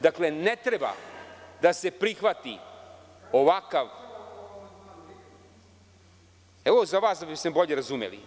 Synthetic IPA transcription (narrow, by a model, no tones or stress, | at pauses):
d̪akle̞net̪ɾeba̰d̪ase̞pɾixʋat̪i | o̞ʋakaʋ | eʋozaʋaːsd̪abisebo̞ʎe̞ɾazumḛlḭ